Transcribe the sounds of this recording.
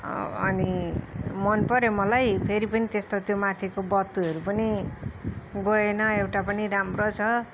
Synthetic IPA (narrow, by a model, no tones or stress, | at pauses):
ʌ̰ni | mʌnpʌɾemʌlajpʰeɾipʌnit̪est̪ot̪jomat̪ʰikobʌt̪ːuɦʌɾupʌni | ɡʌenʌewʈapʌniɾamrot͡sʰʌ